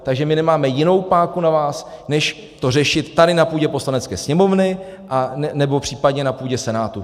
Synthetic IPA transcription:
t̪aɡʒɛmɪnɛmaːmɛjɪno̞wpaːkunavaːsnɛʃ | t̪or̝ɛʃɪt̪ːadɪnapuːɟɛpo̞slanɛt͡skɛ̰ːsɲɛmo̞vnɪ | ʔannɛbo̞pr̝̥iːpadɲɛnapuːɟɛsɛnaːt̪u

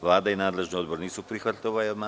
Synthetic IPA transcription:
ʋlˠaːd̪ainaːd̪le̞ʒnio̞d̪bo̞ɾniːsupɾixʋat̪ʲoʋajma

